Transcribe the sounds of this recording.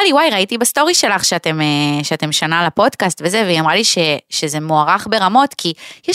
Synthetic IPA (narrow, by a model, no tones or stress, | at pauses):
aliwajʁaitibasto̞ʁiʃe̞laχʃeatemeʃeate̞mʃanalapo̞dkastve̞ze̞veiamʁaliʃeʃeze̞moaʁaχbe̞ʁamo̞tkʰijɛ